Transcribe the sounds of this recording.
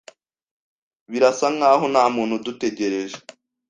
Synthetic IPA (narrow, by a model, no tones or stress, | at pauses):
βiɾasaŋɡaːɦonhaːmuːnhudute̞ɟe̞ɾeʒe